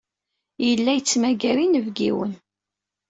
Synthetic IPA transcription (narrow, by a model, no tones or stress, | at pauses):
jəlːæjət͡sːmæɡæɾinəvɡḭwə̰n